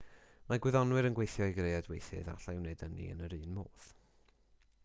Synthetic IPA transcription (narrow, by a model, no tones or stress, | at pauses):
maɡwɪðɔnwɨɾənɡwejθjɔjɡrejadwejθɨ̰ða̰ɬaɪwnedənḭə̰nəɾɨːnmoːð̥